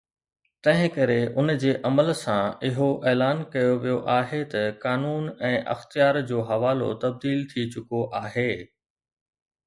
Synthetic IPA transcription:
t̪ɐ̃ɦɪ̃kɐɾeʔʊnd͡ʑeːʔɐməlsãɪɦoʔeːlaːnkɐjoʋijoʔaːɦet̪ɐkaːnuːnɛ̃ːʔɐ̰xt̪ijaːɾd͡ʑoːɦɐʋaːlo̰t̪ɐb̚d̪iːlt̪ʰit͡ɕʊkoʔaːɦeː

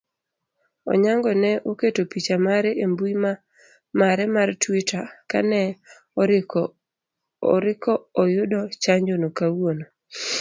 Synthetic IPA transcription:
ɔ̰ɲaŋɡɔnɛʔoketopit͡ʃamaɾɛembuima | maɾɛmartwitaka̰nɛ | ɾɪkɔːjʊdɔt͡ʃaɲd͡ʒonokawono

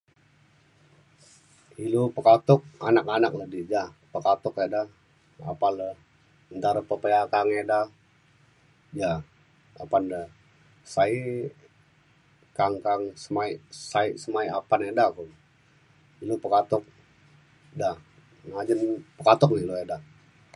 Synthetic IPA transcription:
ilupəkat̪ʊk̚a̰nakanak̚lədid͡ʒahpəkat̪ʊkedah | a̰palə | ənt̪aɾəpəpəjakaŋeda | d͡ʒa | apanda | sai | kaŋkaŋsəmaisaiʔsəmaiapanedaku | ilupəkat̪ʊk̚ | dah | ŋad͡ʒənpəkat̪ʊk̚iloeda

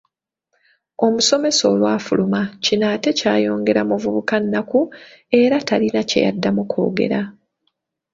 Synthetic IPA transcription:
o̞muso̞me̞so̞ːlwaːfulumacinaːte̞caːjo̞ːŋɡe̞ɾamuvuβukanːakue̞ɾatalinace̞̰ja̰dːamukʰo̞̰ːɡe̞̰ɾa

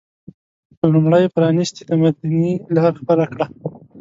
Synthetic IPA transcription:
əlumɽəjpɾɑnist̪id̪amad̪anilɑɾxpəɾakɽa

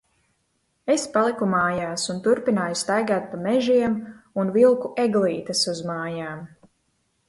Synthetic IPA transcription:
e̞spalˠikumaːjaːsunt̪uɾpinaːjust̪ajɡaːt̪̚pamɛʒiɛmunvilˠkuʔeɡlˠiːt̪ɐsuzmaːjaːm

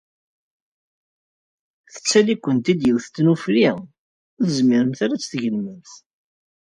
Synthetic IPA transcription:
θə̥t͡sːælikʷːənt̪id̪jəwθt̪ːnufɾi | ðəzmɪɾəmθaɾæt͡sːθʝəlmənθ

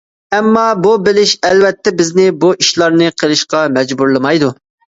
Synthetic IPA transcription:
ɛmːɑbubɪlɪʃɛlvɛt̪ʰːɛbɪznɪbuʔiʃlˠɑɾnɨqʰəlˠɨʃqɑmɛd͡ʒbuɾlˠɨmɑjd̪u

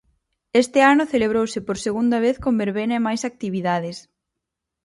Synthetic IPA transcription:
est̪ɪanʊθeleβ̞ɾowsɪpoɾseɣund̪ɐβ̞eθkombeɾβenɐemajsak̚t̪iβiðaðɪs

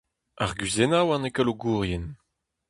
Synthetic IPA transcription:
aʁɡɥizenawãnekəloɡuːʁjɛn

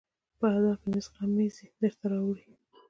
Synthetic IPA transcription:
pəhad̪ɑfmɪzqamizid̪əɾt̪aɾɑwɾi

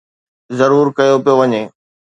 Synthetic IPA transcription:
zɐɾuːɾkɐjopijoʋɐɲeː

